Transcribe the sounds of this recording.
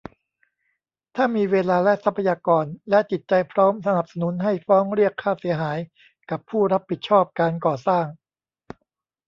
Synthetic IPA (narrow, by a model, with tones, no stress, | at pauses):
t̪ʰaː˥˩miː˧weː˧laː˧lɛ˦˥sa˦˥pʰːa˧jaː˧kɔː˧nlɛ˦˥t͡ɕi˨˩t̪̚t͡ɕa˧jpʰɾɔː˦˥msa˧na˨˩p̚sa˧nu˩˦˥nɦa˥˩jfɔː˦˥ŋɾi˥˩əkʰːaː˥˩si˩˦əɦaː˩˦j | ka˨˩pʰːuː˥˩ɾa˦˥pʰːi˨˩t̪̚t͡ɕʰɔː˥˩p̚kaː˧nkɔː˨˩saː˥˩ŋ